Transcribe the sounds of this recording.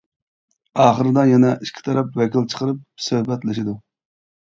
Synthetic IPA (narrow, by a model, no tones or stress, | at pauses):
ɑːχəɾɨd̪ɑjɛnɛʔiʃkʲʰi̥t̪ʰɑɾɑpwɛkʲʰilt͡ʃʰə̥qəɾɨp̚søhbɛt̪lɪʃid̪u